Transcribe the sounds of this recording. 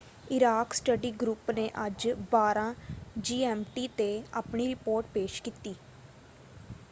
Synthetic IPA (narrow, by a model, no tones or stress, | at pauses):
ɪɾaːksʈəɖiːɡɾuːpneːʔəd͡ʒbaːɾãːd͡ʒiːɛːmʈiːt̪eːa̰ːpɳiːɾɪpoːɾʈpeːʃkit̪iː